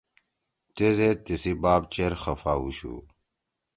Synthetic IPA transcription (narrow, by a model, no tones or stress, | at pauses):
t̪ezet̪isibaːbt͡ɕeɾxɐfauɕṵ